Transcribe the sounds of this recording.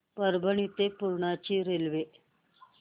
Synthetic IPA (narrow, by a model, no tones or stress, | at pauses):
pəɾbʱəɳit̪epuɾɳat͡ɕiːɾelʋe